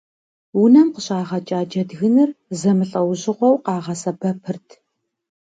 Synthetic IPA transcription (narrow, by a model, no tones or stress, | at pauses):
wʊnɐmqəɕʼaːʁɐt͡ʃʼaːt͡ʃɐdɣɨnɨrzɐmɨɬʼɐwʑɪʁʷɔwqɑːʁɐsɐpʰɐpʰɨrtʰ